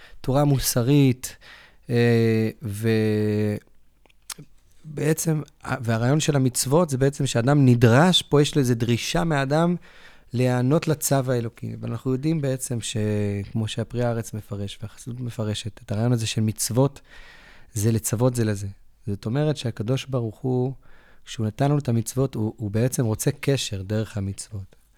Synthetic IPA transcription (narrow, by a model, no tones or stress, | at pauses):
tuʁamusaʁit | eve | beet͡se̞ma̰veaʁaːjo̞nʃe̞lamit͡svo̞tzebe̞et͡se̞mʃeadamnidʁaʃpo̞jeʃloezedʁiʃameadam | leano̞tlat͡savaelo̞kḭveanaχnujo̞dimbeet͡se̞mʃe̞kmo̞ʃeapʁiaaʁet͡sme̞faʁe̞ʃveaχḁsidutme̞faʁe̞ʃe̞tetaʁaːjo̞naze̞ʃe̞lmit͡svo̞t | zelet͡savo̞tze̞leze̞zo̞to̞me̞ʁetʃeakado̞ʃbaʁuχukʃeunatanlanutamit͡svo̞tuːbeet͡se̞mʁo̞t͡se̞ke̞ʃe̞ʁde̞ʁe̞χhamit͡svo̞t